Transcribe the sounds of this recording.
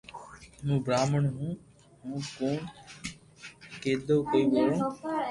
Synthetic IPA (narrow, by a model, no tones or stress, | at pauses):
mũːbɾaːməɳɦũː | ɦũːkoːɳ | keːd̪oːkəiːʋoːɾõː